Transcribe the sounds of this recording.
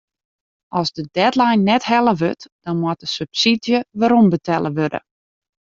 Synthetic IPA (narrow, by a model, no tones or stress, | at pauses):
ʔɔsdədɛtlajnːɛthɛlˠəʋøtd̥ɔnmwɔt̚əsypsidjəʋaɾɔmbətʰɛlˠəʋødə̰